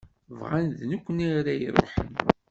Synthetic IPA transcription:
vʁanðnukʷːəniɾæjəɾˤħə̰n

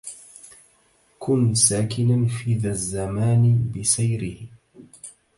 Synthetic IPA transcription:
kʰʊnsaːkɪnanfiːðazːamaːnbɪsajɾɪh

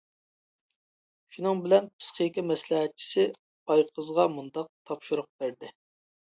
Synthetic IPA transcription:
ʃunɨŋbɪlɛnpʰɨ̥sqijkʲɛmɛslɛɦɛt̪̚t͡ʃʰi̥sɪ | ɑjqʰəzʁɑmund̪ɑq̚t̪ʰɑpʃuɾʊq̚b̥æɾd̪ɪ

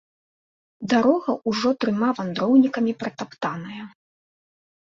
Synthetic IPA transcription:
d̪aɾɔɣɐʔuʐɔt̪ɾɨmavand̪ɾɔwnʲikɐmʲipɾɐt̪apt̪anɐjɐ

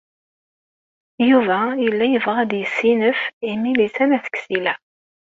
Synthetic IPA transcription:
juvæjəlːæjəvʁæd̪jəsːinəfimilisænæθə̥ksilæ

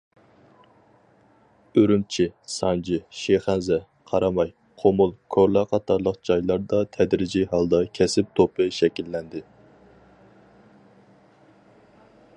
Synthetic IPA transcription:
øɾymt͡ʃʰɪsɑnd͡ʒɪʃeχænzɛ | qʰɑɾɑmɑj | qʰomulˠkʰoɾlˠɑqʰɑt̪ʰɑɾlˠəqd͡ʒɑjlˠɑɾd̪ɑt̪ʰɛd̪ɾɪd͡ʒiɦɑlˠd̪ɑkʲʰɛsɪp̚t̪ʰopʰɨʃɛkʲilːɛnd̪ɪ

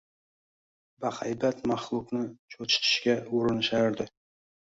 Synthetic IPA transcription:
baχajbat̪maχlˠʊqnɪt͡ʃʰot͡ʃʰɪ̥t̪ʰɪ̥ʃkʲaoɾɪnɪʃaɾd̪ɪ

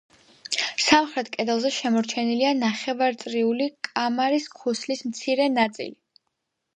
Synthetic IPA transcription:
samχɾɛt̪ʰkʼɛd̪ɛlˠzɛʃɛmɔɾt͡ʃʰɛnilianaχɛvaɾt̪sʼɾiulikʼamaɾiskʰuslismt̪sʰiɾɛnat̪sʼḭli

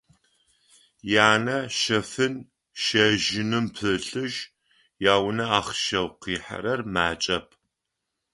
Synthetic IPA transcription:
jaːnɐʃɐfɨn | ʃɐʒɪnɨmpʰɨɬʼɨʒ | jaːwnɐaːχʃɐwqiːħa̰ɾɐrmaːt͡ʃʼɐpʰ

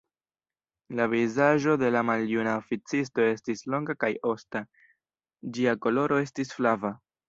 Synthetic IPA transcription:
lavizaʒo̞de̞lamaljunaofit͡sis̬to̞e̞stislo̞ŋɡakajo̞sta | d͡ʒiako̞lo̞ɾo̞e̞stisflava

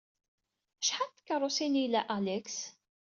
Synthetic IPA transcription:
ʃħat̪kːərˤʊsinilːæʔalɛks

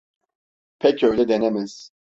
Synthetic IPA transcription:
pʰɛcʰøjlʲɛd̪enɛmiz̥

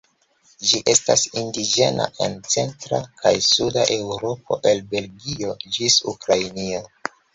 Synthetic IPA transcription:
d͡ʒiʔe̞stasindid͡ʒe̞na̰ʔe̞̰nt͡se̞ntɾakʰajsudaʔe̞wɾo̞p̚o̞̰ʔe̞lbe̞lɡio̞d͡ʒisukɾajnio̞

